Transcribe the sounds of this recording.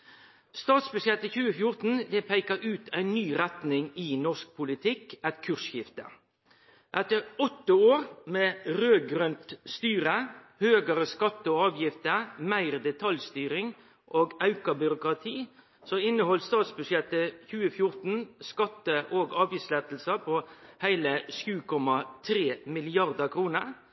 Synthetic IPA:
st̪ɑːt̪sbʉʂjɛt̪ːəçʉːəfjʊʁt̪n̩d̪ɛpʰæɪkəɾʔʉːt̪ʰæɪnːyːɾɛt̪nɪŋɪnɔsk̚pʰʊlɪt̪ʰɪkɛt̪kʰʉʁsjɪft̪ə | ʔɛt̪əɾɔt̪ːəoːɾmeːɾøːɡɾœnt̪st̪yːɾə | høːɡəɾəskɑt̪ːəɔɑːʋjɪft̪əmæɪʁd̪ɛt̪ʰɑljst̪yːɾɪŋ | ʔoːɡɑʉkɑbʏɾʊkɾɑt̪ʰiː | sɔɪnːəhɔlst̪ɑːt̪sbʉʂjɛt̪ːəçʉːəfjʊɾt̪n̩skɑt̪ːəʔoːɡɑːʋjislɛt̪l̩səpʰɔhæɪləʂjʉːkʰɔmɑt̪ʰɾeːmɪlɪɑʁd̪əkʰɾuːnəɾ

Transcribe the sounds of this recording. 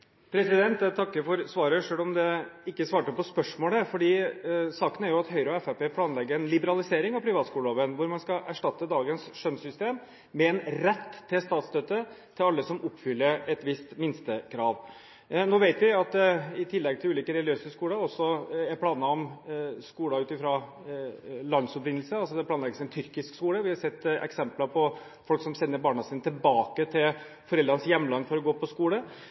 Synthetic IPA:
pʰɾɛsɪd̪ɛnt̪t̪ʰɑkːəɾfɔɾsʋɑːɾəʂøːlɔmd̪ɛɪkːəsʋɑːʈəpɔspœʂmoːləfɔɖiːsɑːkənæɾjʊɑt̪ɦœʏɾɔɛfæpeːpʰlɑːnlɛɡːəɾɛnlɪbəɾɑlɪseːɾɪŋɑpʰɾɪʋɑːt̪skuːləloːʋənʋʊɾmɑnskɑʔæʂʈɑt̪ːəd̪ɑːɡənsʂœnsʏst̪eːm | mɛɛnɾɛt̪ʰːɪlst̪ɑːt̪sd̪øt̪ə | t̪ʰɪlɑlːəsɔmʔʊpːfʏlːəɾɛt̪ʋɪst̪mɪnst̪əkʰɾɑːʋ | noːʋæɪt̪ʋɪɑt̪̚d̪ɛɪt̪ʰɪlːɛɡ̚t̪ʰɪlʉːliːkəɾɛljøːsəskuːləɔsːɔæpʰlɑːnɑɔmskuːlɑʉːt̪ɪfɾɑ | lɑnd̪sɔpɾɪnl̩səɑlsɔd̪ɛpʰlɑːnɛɡəsɔɛnt̪ʰʏɾkɪskskuːləʋɪhɑsɛt̪ːɛ̰ksɛmplɑpʰɔ | fɔlksɔmsɛnːəɾbɑːɳɑsiːnət̪ʰɪlbɑːkət̪ʰɪl | fɔɾɛld̪ɾɑnəsjɛmːlɑnːfɔɾɔɡoːpʰɔskuːlə

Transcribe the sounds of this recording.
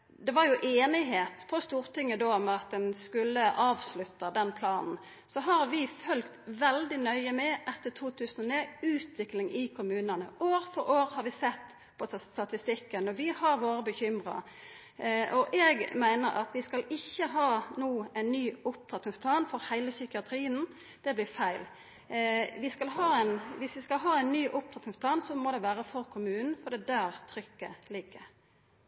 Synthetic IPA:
d̪ɛʋɑɾjʊʔeːnɪɦeːt̪pʰɔst̪uːɾt̪ʰɪŋːəd̪oːmɛɑt̪̚d̪ɛnskʉlːəʔɑːʋslʉt̪ːɑd̪ɛnpʰlɑːnn̩ | sɔɦɑɾʋɪfœlkt̪ʋɛld̪ɪnœʏəmɛʔɛt̪ːət̪ʰuːt̪ʰʉːsən̩ɔneːʉːt̪ʋɪklɪŋɪkʰʊmʉːnɑnə̰oːɾfɔɾoːɾhɑɾʋɪsɛt̪ː | pʰɔst̪ɑt̪ɪst̪ɪkːənɔʋɪhɑɾʋoːɾəbəçʏmɾɑ̰ | ɔʔɛːɡmæɪnəɾʔɑ̰t̪ʋɪskɑlɪçːəɦɑːnuːæɪnːyːʊp̚t̪ʰɑt̪nɪŋspʰlɑːnfɔɾhæɪləsʏkɪɑt̪ʰɾiːən | d̪̥ɛblɪːɾfæɪl | ʋɪskɑlɦɑːæɪnʋɪsʋɪskɑlɦɑːæɪnːyːʔʊp̚t̪ʰɑt̪nɪŋsplɑːnsɔmoːd̪ɛʋæːɾəfɔɾkʰʊmʉːnn̩fɔɾd̪ɛd̪æːɾt̪ʰɾʏkːə̰lɪɡːə

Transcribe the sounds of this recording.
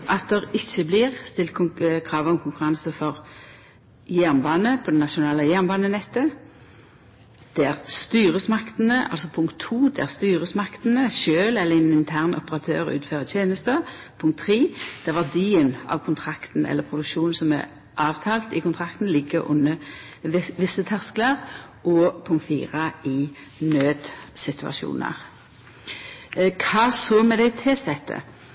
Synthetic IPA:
ʔɑt̪̚d̪ɛʁɪçːəbliːʁst̪ɪlt̪̚kʰkʰɾɑːʋəɔmkʰʊŋkʉɾɑnsəfɔʁ | jæʁnbɑːnəpʰɔd̪ɛnːɑʃʊnɑːləjæʁnbɑːnənɛt̪ːə | d̪̥ɛæʁst̪yːʁəsmɑkt̪n̩əʔɑ̰lsɔpʰʊŋkt̪ʰːuːd̪ɛæʁst̪yːʁəsmɑkt̪nəʃøːlɛlːəɛnɪnt̪ʰæʁnɔ̰pəʁɑt̪ʰø̰ːʁʉ̰ːt̪føːʁət̪ʰjeːnəst̪ə | pʰʊŋk̚t̪ʰːʁiːd̪̥æʁʋæʁd̪iːənɑ̰ʋkʰʊnt̪ʰʁɑkt̪n̩ɛ̰lːəpʰʁʊd̪ʉkʃuːnsɔmæ̰ | ʔɑːʋt̪ʰɑːlt̪ɪkʊnt̪ʰʁɑk̚t̪n̩lɪɡːəɾʊ̰nːə | ʋɪsət̪ʰæʁsklɑʁ | ʔɔpʰʊŋkt̪fḭːʁɑɪnøːd̪sɪt̪ʉɑ̰ʃṵːnə̰ʁ | kʰɑːsoːmɛd̪æɪt̪ʰɪsɛt̪ʰːə̰

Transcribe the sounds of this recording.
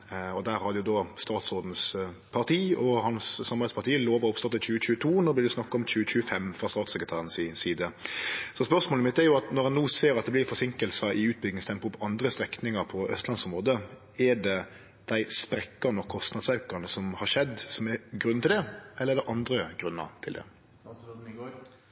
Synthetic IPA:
ɔd̪æɾhɑd̪ɛjʊd̪ɔst̪ɑːt̪soːd̪n̩s | pʰɑʁt̪ʰiːɔhɑnsːɑmɑʁɛɪspʰɑʁt̪ʰiːəloːʋɔɔpst̪ɔt̪ːɛt̪t͡ɕʰʉːəc͡çʉːət̪ʰuːnɔːblɪd̪ɛsnɑkːɑɔmt͡ɕʉːəc͡çʉːəfɛmːfɾɑst̪ɑːt̪sɛkɾət̪ʰæːʁənsɪsiːd̪əsɔspœʁsmoːləmɪt̪ːæɾjʊɑt̪nɔʁɛnuːseːɾɑt̪̚d̪ɛblɪɾfɔsɪŋkəlsɑʔɪʉːt̪̚bʏɡnɪŋst̪ʰɛmpəʁʊpʰːɔɑnd̪ɾəst̪ɾɛknɪŋəɾpʰɔœ̰st̪lɑnsɔmʁoːd̪ə | ɛɖɛ | d̪̥æɪspɾɛkːɑnɔkʰɔst̪nɑd̪sɑʉkɑnəsɔmhɑʂɛd̪sɔmɛɡʁʉnɪld̪ɛɛlːəɛɾd̪ɛʔɑnd̪ɾəɡ̥ʁʉnːə̰ʁt̪ʰɪld̪ɛ̰

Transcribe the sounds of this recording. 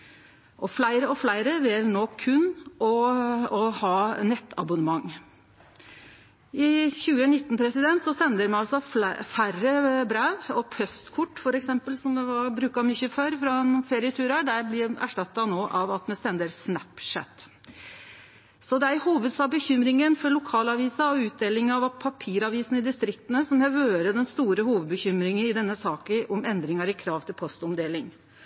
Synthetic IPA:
ʔɔflæɪɾəɔflæɪɾəʋɪlnoːkʰʉnɔɔhɑːnɛt̪ːɑ̰bʊnəmɑŋː | ɪçʉːənɪt̪ːnpʰɾɛsɪd̪ɛnt̪sɔsɛnd̪əɾmɛnɑlsɔfærəbɾæːʋɔpʰœst̪kʰʊʈːfɔɾɛksɛmpəlsɔmʋɛʋɑbɾʉːkɑmʏçəføːɾfɾɑɛnfeːɾɪət̪ʰʉːɾɑɖ̪æɾblɪɾæ̰ʂʈɑt̪ːɑnoːʔɑʋɑt̪mɛsɛnd̪əɾsnæpʂæ̰t̪ | sɔd̪ɛæɾhuːʋəd̪sɑbəçʏmɾɪŋənfɔɾɭʊkʰɑːlɑʋiːsɑɔʉːt̪̚d̪eːlɪŋɑʋpʰɑpʰiːɾɑʋiːsən̩ɪd̪ɪst̪ɾɪk̚t̪ənəsɔmjæʋøːɾəd̪ɛnst̪uːɾəhuːʋəd̪̚bəçʏmɾɪŋənɪd̪ɛnːəsɑːkəʔɔmɛnd̪ɾɪŋɑɾɪkʰɾɑːʋt̪ʰɪlpʰɔst̪ɔmd̪eːlɪŋ

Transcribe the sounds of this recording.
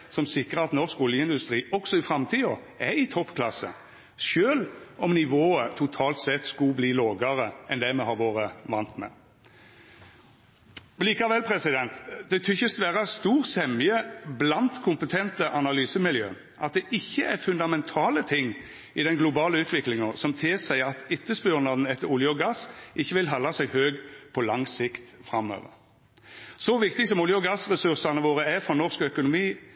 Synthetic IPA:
sɔmsɪkʁəɑt̪nɔskɔljəɪnd̪ʉst̪ɾiːɔksɔɪfɾɑmt̪ʰiːɔ | ɛɪt̪ʰɔpːkʰlɑsə̰ | ʃøːlɔmnɪʋoːət̪ʰʊt̪ʰɑːlt̪sɛt̪ːskʊbliːloːɡəɾəɛnd̪ɛmɛhɑɾʋoːɾəʋɑnt̪mɛ̰ | ɔliːkɑʋɛlpʰɾɛsɪd̪ɛnt̪d̪ɛt̪ʰʏçəsʋæːɾəɑst̪uːʁsɛmjəblɑnt̪kʰʊmpət̪ʰɛnt̪əʔɑnɑlyːsəmɪljø̰ː | ʔɑt̪̚d̪ɛʔɪçːəʔæɾfʉnd̪ɑmɛnt̪ʰɑːlət̪ʰɪŋː | ɪd̪ɛnɡlʊbɑːləʉːt̪ʰʋɪklɪŋɑsɔmt̪ʰɪlsæɪɑt̪ɪt̪ːəsbʉʁnɑd̪n̩ɛt̪ːəɾʊljəɔɡɑsʔɪçːəʋɪlɦɑlːɑsɛɪhøːɡpʰɔlɑŋsɪkt̪fʁɑmø̰ːʋə̰ɾ | sɔʋɪkt̪ɪsɔmʊljəɔɡɑsʁɛsʉʁsɑnəʋoːʁəæfɔnɔʁskœkʊnʊmiː

